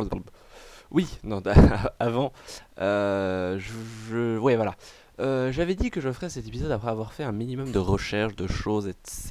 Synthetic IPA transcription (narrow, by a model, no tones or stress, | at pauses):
winɔ̃avɑ̃øʒəʒəwɛvwala | øʒavɛd̪ikəʒəfʁɛsɛt̪epizɔd̪apχɛavwaʁfɛɛ̃minimɔmd̪əʁəʃɛʁʃd̪əʃozes